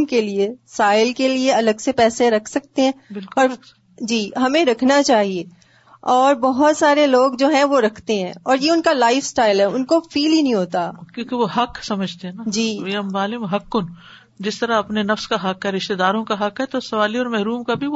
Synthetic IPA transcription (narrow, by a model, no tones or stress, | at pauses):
mkeliesaːɪlkelieɐləɡsepɛːseɾɐkʰsɐk̚t̪eɦɛ̃ːbɪlkɔːɾ | d͡ʒiːɦɐmẽɾɐkʰnat͡ʃaːɦieː | ɔːɾbɔɦʊt̪saːɾeloːɡd͡ʒoːɦɛ̃ʋoɾɐkʰt̪eɦɛ̰̃ːɔːɾjeʊnkalaːɪfsʈaːɪlɦɛʊnkofiːlɦinɐɦĩɦoːt̪akjõːkeʋoɦɐksɐməd͡ʒʱt̪eɦɛ̃nad͡ʒiːeɐmːaːlɪmɦɐkːʊn | d͡ʒɪst̪ɐɾaɐpnenɐfskaɦɐkɦɛɾɪʃt̪ed̪aːɾõkaɦɐkɦɛt̪osɐʋaːliɔːɾmɛɦɾuːmkabʱi